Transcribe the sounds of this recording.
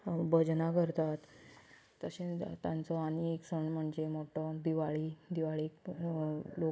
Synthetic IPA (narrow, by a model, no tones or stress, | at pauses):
bəd͡ʑnakəɾt̪at̪ː | əɕẽt̪jãnt͡sɔanieksəɳm̤əɳd͡zemoʈɔd̪iʋaɭiːd̪iʋaɭik | lo